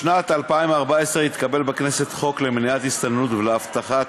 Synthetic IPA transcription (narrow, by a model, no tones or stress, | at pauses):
nat̪alpaimvaʁbaesʁeit̪kabe̞lbeknese̞t̪χo̞klemniat̪ist̪annutveleaft̪aχa